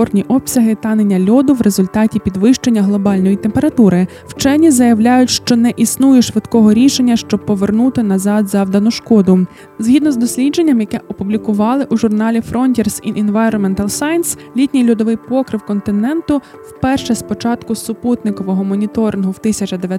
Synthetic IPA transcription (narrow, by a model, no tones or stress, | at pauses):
ɔrnʲiʔɔpsʲɐɦɪt̪ɑnenʲːɐlʲɔd̪ʊʋɾe̞zʊlʲt̪ɑtʲipʲid̪ʋɪʃt͡ʃenʲːɐɦlˠɔbɑlʲnɔjit̪empeɾɐt̪uɾɪ | wt͡ʃɛnʲizɐjɐwlʲajʊtʲʃt͡ʃɔnɛʔisnujeʃʋɪd̪kɔɦɔɾʲiʃenʲːɐʃt͡ʃɔbpːɔʋernut̪ɪnɐzɑd̪zɑwd̪ɐnʊʃkɔd̪ʊ | zɦʲid̪nɔzd̪ɔsʲlʲidd͡ʒe̞nʲːɐmjɐkɛʔɔpublʲikʊʋɑlˠɪʔuʒʊrnɑlʲifɾɔnʲtʲirsiʔinʋajɾɔnmɛnt̪ɐlˠsɑjnslʲit̪ʲnʲijlʲʊd̪ɔʋɪjpɔkɾɪwkɔnt̪ɪnɛnt̪ʊ | wpɛrʃɛspɔt͡ʃɑt̪kʊsʊput̪nɪkɔʋɔɦɔmɔnʲit̪ɔɾɪnɦʊwt̪ɪsʲɐt͡ʃɐd̪eʋj